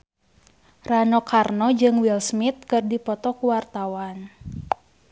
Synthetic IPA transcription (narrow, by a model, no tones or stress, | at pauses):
ranɔkarnɔd͡ʒɨŋwilsmit̪̚kɨrdipɔt̪ɔkuwart̪awan